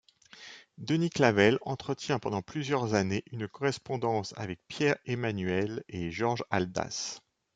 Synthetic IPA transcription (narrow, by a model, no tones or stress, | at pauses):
d̪əniklavɛlɑ̃t̪χət̪jɛ̃pɑ̃d̪ɑ̃plyzjœʁzaneʔynkɔʁɛspɔ̃d̪ɑ̃sa̰vɛk̚pjɛʁemanɥɛleʒɔʁʒald̪a̰s